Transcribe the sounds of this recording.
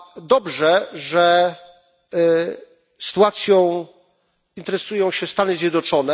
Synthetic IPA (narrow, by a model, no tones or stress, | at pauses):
d̪ɔbʐɛʐɛ | sɨ̥t̪uat̪sʲjɔ̃w̃ | int̪ɛɾɛsujɔ̃w̃ɕɛst̪anɘzʲjɛd̪nɔt͡ʂɔnɛ